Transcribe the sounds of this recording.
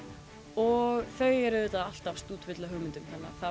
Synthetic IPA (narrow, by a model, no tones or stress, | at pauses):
ɔɣθœːɥjɛɾʏðɪt̪aðal̥t̪afst̪uːt̪vɪt̪laɦœɣmɪnt̪ʏmθanːa̰θa